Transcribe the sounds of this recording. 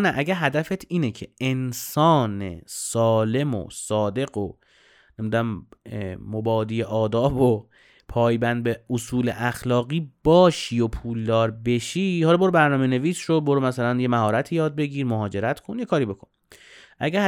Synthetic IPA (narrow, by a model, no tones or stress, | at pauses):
næʔæɟæɾɦæd̪æfet̪ʰiːnecʰe̞ʔensɒːnḛsɒːle̞mo̰sɒːd̪e̞ɡo | nemid̪æm | mobɒːd̪iːeʔɒːd̪ɒːbo | pʰɒːjbænd̪̚beosuːlḛʔæxlɒːɣiːb̥ɒːʃiːjopʰuːld̪ɒːɾbe̞ʃiːhɒlɒboɾbæɾnɒːmene̞viːsʃoboɾmæsælænje̞mæhɒːɾæt̪ʰiːjɒːd̪̚beɟiːɾmoɦɒːd͡ʒe̞ɾæt̪ʰkʰonjekʰɒːɾiːbe̞kʰon | ʔæɡæ